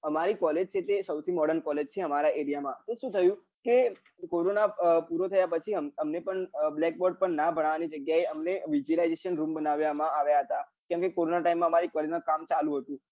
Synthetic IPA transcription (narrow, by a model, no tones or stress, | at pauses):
əmaɾikɔled͡ʒt͡ʃʰet̪esəwt̪ʰimɔɽənkɔled͡ʒt͡ʃʰeəmaɾaʔeɾijamãt̪eʃũt̪ʰəjũ | ke | koɾonapuɾot̪ʰəjapət͡ʃʰiəməmnepəɳblɛk̚bɔɾɖ̚pəɳnabʱəɽ̃aʋanid͡ʒəɡjaeəmneʋid͡ʒuəlaid͡ʒeʃənɾũmbənaʋjamãaʋjaɦət̪akɛ̃mkekoɾonaʈaimːãəmaɾikɔled͡ʒnãkamt͡ʃalũɦət̪ũ